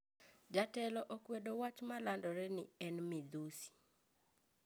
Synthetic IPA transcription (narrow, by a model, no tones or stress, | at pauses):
d͡ʒatɛlɔʔɔkwedowat͡ʃmalandɔɾɛnɪɛnmɪd̪usi̥